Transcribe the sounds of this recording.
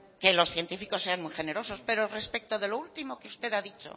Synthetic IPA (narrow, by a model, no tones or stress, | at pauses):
ke̞lo̞sθje̞nt̪ifiko̞sːe̞anmujxe̞ne̞ɾo̞so̞spe̞ɾore̞spek̚t̪oðe̞loult̪imo̞keust̪e̞ðaðit͡ʃo̞̰